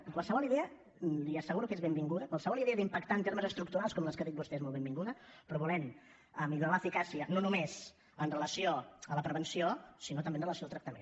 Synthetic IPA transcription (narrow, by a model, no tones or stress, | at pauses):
kwalˠsəβɔlˠiðeə | liəsəɣuɾukezβembiŋɡuðəkwalˠsəβɔliðeəðimpəkt̪aənt̪eɾməzəst̪ɾukt̪uɾalˠskɔmləskəðit̪̚bust̪ɛezmolˠβẽmbiŋɡuðəpɾɔβulɛn | əmiʎuɾaləfikasiənonumez | ənrələsioələpɾəβənsiosinot̪əmenrələsiolˠt̪ɾək̚t̪əmḛn